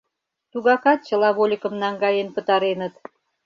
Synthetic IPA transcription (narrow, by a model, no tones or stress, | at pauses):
t̪uɣɑkɑt̪̚t͡ɕə̆lɑβolʲəkə̆mnɑŋɡɑjenpə̆t̪ɑɾenət̪